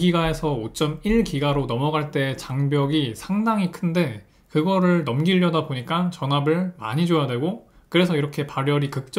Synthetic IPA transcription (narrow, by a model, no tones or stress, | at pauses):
ɡiɡae̞sʰʌot͡ɕ͈ʌmiɭkiɡaɾonʌmʌɡaɭt͈e̞ːt͡ɕaŋbjʌɡisʰaŋdaŋikʰɯnde̞ | kɯɡʌɾɯɭnʌmɡiʎːʌdaboɲik͈ant͡ɕʌnabɯɭma̰ɲid͡ʑojadwe̞ɡo | kɯɾe̞sʰʌiɾʌkʰe̞paɾjʌɾikɯk̚t͡ɕ͈